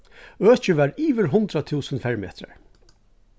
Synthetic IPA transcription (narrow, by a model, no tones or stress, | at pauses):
œːt͡ʃɪʋæːɹiːʋəɾɦʊnt̪ɾat̪ʰuːsənfɛɹmḛːt̪ɾa̰ɹ